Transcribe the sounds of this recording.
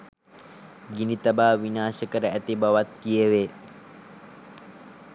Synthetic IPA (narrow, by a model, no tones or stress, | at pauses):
ɡinit̪əbaːʋinaːsəkəɾəæt̪ibaʋat̪̚kijəʋe